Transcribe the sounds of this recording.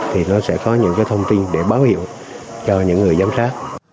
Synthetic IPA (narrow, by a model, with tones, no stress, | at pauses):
t̪ʰi˨˩nɔ˨˦sɛ̰˧˥kɔ˨˦ɲɨ̰˧˥ŋkaː˨˦jt̪ʰə˧wŋ͡mt̪i˧nɗe˧˩ɓaː˨˦whḭ˧˨ə˨w | t͡ɕɔ˧ɲɨ̰˧˥ŋːɨ˨˩əjzaː˨˦msaː˦˥k̚